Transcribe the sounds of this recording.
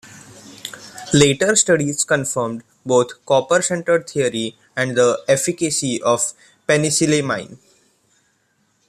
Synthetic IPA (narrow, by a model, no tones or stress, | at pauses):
leːʈəɾsʈʌɖizkə̃nfəɾmɖ | boːt̪ʰkɔːpəɾsẽɳʈəɾt̪ʰiəɾi | æ̃ɳɖd̪əefɪkəsiʔɔːʋ | penɪsilemã̰ɪ̃n